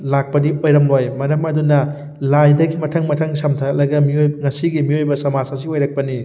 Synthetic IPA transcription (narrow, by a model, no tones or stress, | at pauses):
lak̚pɐdiojɾɐmlojmɐɾɐmɐdunɐ | lajdɐɡimɐtʰɐŋmɐtʰɐŋsɐmtʰɐɐlɐɡɐmiojŋɐsiɡimiojbɐsɐmasas̬iojɾɐk̚pɐni